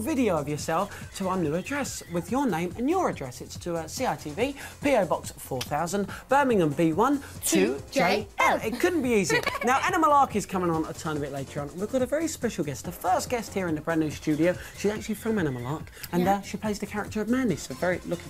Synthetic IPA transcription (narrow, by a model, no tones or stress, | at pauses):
vɪɾiəʊəvjəsɛlˠftʰəaənjʉːədɹɛswɪðjənẽɪ̃mə̃njəɹədɹɛsɪtstʰəəsiːaɪtʰiːviːpʰiəʊbɒksfɔːθaʊzə̃nb̥ɜːmɪ̃ŋə̃mbiːwʌ̃ntʰəd͡ʒeɪɛɪt̚kʰʊdⁿn̩b̥iiːzinaʊʔænəməlˠɑˑkɪz̥kʰʌ̃mɪ̃ŋə̃nə̰tʰãɪ̃məbɪʔˡleɪtʰəɹə̃nə̃n̩wivɡɑɾəvɛɹispɛʃl̩ˠɡɛstðəfɜˑsɡ̥ɛst̚hiəɹɪ̃nðəbɹãnʉ̥st͡ʃʉːɾioʊʃizak̚t͡ʃʉl̩ˠifɹə̃mænɪməlˠɑˑk | ə̃nðəʃipʰl̥eɪzðəkʰaɹɪ̰k̚təɹəvmæ̃nisəʊvɛɹilʊkɪ̃